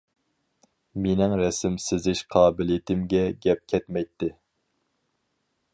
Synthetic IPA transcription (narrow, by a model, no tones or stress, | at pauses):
menɪŋɾɛsɪmsɪzɪʃqʰɑːbɪlt̪ʰɪmɡʲɛɡʲɛp̚kʲʰɛt̪mɛjt̪ʰːɪ